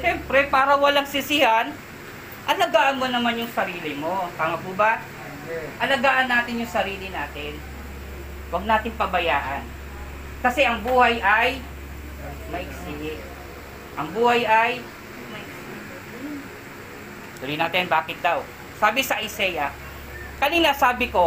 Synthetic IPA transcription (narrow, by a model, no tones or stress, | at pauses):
ʃɛmpɾɛpaːɾɐwɐlaŋsɪsɪhan | ʔɐlɐɡaːʔɐnmonɐmanjʊŋsɐɾiːlɪmo̞kɐŋɐkuːba | ʔɐlɐɡaːʔɐnːaːt̪ɪnjʊŋsɐɾiːlɪnaːt̪ɪn | wɐɡ̚naːt̪ɪŋpɐbɐjaːʔɐn | kɐsɛʔɐŋbuːhajʔɐj | mɐʔɪksɪ | ʔɐŋbuːhajɐj | mɐʔɪksɪ | kʊɾɪnaːt̪ɪnbaːkɪt̪̚d̪aw | saːbɪsɐʔɪsɛjɐ | kɐninɐsaːbɪko̞